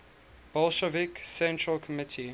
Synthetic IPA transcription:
b̥ɔlˠʃəviksɛ̃ntɹəlkʰɔmɪtʰi

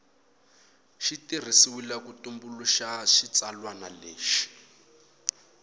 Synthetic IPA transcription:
ʃitir̤isiwilakutumbuluʃaʃit͡salwanaleːʃi̥

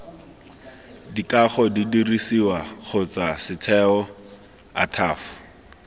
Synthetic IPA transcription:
dikaχɔdidirisiwaχʰʊt͡sasɪtʰɛɔ | a̰tʰaːfʊ̥

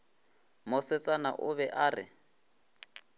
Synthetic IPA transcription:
mʊsɪt͡sʼana̰ʔʊβɛʔaːrɪ̰

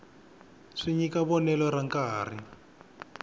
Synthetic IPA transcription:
ʂiɲikaβɔnɛlɔɾaŋkaːr̤ḭ

